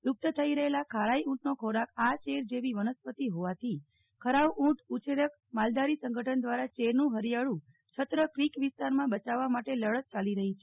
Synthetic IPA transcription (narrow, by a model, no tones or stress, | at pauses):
jʊk̚t̪ət̪ʰəiɾəɦelakʰaɭaiũʈnokʰoɾakat͡ʃeɾd͡ʒeʋiʋənəspət̪iɦoʋat̪ʰi | kʰəɾaʋũʈʰut͡ʃʰeɾək | mald̪aɾisə̃ŋɡʱəʈʰənd̪ʋaɾat͡ʃeɾnũɦəɾijaɭũ | t͡ʃʰət̪ɾəkɾikʋɪst̪aɾmãbət͡ʃaʋːamaʈeləɭət̪̚t͡ʃaliɾəɦit͡ʃʰe